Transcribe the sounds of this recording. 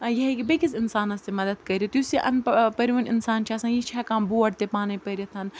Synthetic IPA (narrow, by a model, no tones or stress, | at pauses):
jɐɦekibɐkɪsɪnsaːnɐst̪emɐd̪əd̪kɐɾʲit̪iʊseʔɐ̰npɐɾiʋɐnɪ̰nsaːnt͡ʃʰaːsɐ̃njit͡ʃʰɛːkãːmbuːɐɽt̪epaːnepɐɾɐt̪ʰɐn